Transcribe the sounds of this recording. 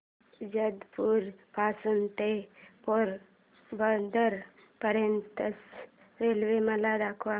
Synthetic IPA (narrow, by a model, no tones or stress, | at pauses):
d͡ʒəd̪puɾpaːsunt̪epɔːɾ | bənd̪əɾ | pəɾjənt̪əs | ɾelʋemɐlad̪akʰʋa